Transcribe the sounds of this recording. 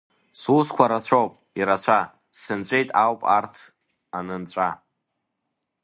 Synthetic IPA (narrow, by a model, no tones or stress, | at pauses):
suskʷʰaɾat͡ɕʷʰowpʼ | iɾat͡ɕʷʰa | ssɨnt͡ɕʷʼe̞jtʼawpʼa̰rtʰ | anɨnt͡ɕʷʼa